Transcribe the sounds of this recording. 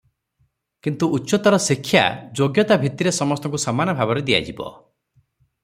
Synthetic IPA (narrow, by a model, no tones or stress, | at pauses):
kint̪uʔːtːt͡ʃɔt̪ɔɾɔsikʰːja̰d͡ʒoɡjɔt̪abʱit̪iɾesɔmɔst̪ɔŋkusamanɔbʱabɔɾed̪ija̰d͡ʒibɔ̰